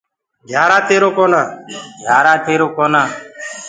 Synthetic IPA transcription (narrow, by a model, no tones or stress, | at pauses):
ɡʱjaːɾaːt̪eːɾoːkoːnaːɡʱjaːɾaːt̪eːɾoːkoːnaː